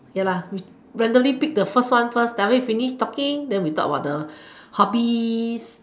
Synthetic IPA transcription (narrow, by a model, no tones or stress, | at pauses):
jalawi | ɹɛ̃ndəlipik̚dəfəstwãnfəsdavəwifiniʃtɔkĩŋdɛ̃nwitɔ̰kəbaʊt̚dəhɔbis